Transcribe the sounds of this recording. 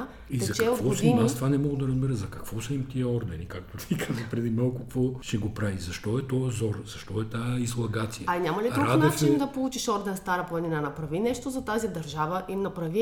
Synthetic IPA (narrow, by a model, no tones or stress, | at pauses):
izɐkt͡ʃɛokt̪vɔosimast̪ovanɛmɔɡʊd̪ɐɾɐzbɛɾəzɐkɐkvɔsɐimt̪iəɔɾd̪ɛnikak̚t̪ot̪ʰikʰazvəpɾɛd̪imalˠkʊkvɔʃɛɡopɾavizɐʃt̪ɔɛt̪ɔjzɔɾz̥ɐʃt̪ɔɛt̪aizlˠɐɡat̪sijəɐnʲamɐliɾuɾadnɛft͡ʃind̪ɐpolˠut͡ʃiʃɔɾd̪ɛnst̪aɾəplˠɐninanɐpɾɐvinɛʃt̪ozɐt̪azid̪ɐɾʒavəʔimnɐpɾɐvi